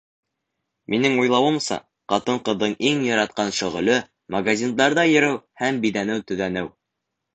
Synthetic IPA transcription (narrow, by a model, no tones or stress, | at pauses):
mʔinɘŋujlˠɑwɤ̆msɑ̰ | qɑt̪ɤɴqɤ̆ðːɤɴʔiŋjɑɾɑt̪̚qɑnʃɵ̆ʁɵ̆lɵ | mɐɡazʲind̪ɑɾðɑjɘ̆ɾɘwhæmbiðænɘwt̪ɵ̆ðænɘw